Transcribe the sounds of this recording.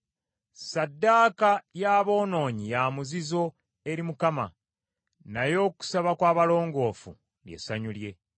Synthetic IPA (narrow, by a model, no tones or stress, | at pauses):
sadːaːkajaːβo̞ːno̞ːɲijamuzizo̞ | e̞ɾimukama̰ | najo̞ːku̥saβakwaːβalo̞ːŋɡo̞ːfṵ | lje̞̰saɲulje̞